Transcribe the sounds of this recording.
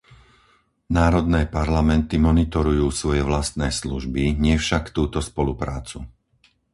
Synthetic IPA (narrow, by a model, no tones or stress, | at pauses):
naːɾɔd̪nɛːpaɾlamɛnt̪imɔnit̪ɔɾujuːsʋɔjɛʋlast̪nɛːsluʒbiɲɪɛfʃakt̪uːt̪ɔspɔlupɾaːt͡su